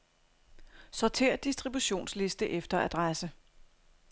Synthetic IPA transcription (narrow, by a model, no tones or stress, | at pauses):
sɒt͡sʰe̝̰ːɐ̰d̥isd̥ʁibuɕo̝̰ːnsle̝sd̥əʔefd̥ɐæd̥ʁasə